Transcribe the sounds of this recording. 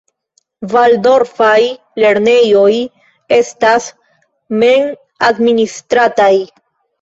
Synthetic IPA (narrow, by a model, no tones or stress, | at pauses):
valdo̞ɾfaj | le̞ɾne̞jo̞j | e̞stas | men | administɾataj